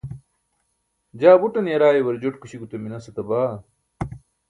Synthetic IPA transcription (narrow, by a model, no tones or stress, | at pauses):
d͡ʑaːbuʈɐnjɐɾaːjewɐɾd͡ʑoʈkuɕiɡut̪ɐminɐsɐt̪ɐbaː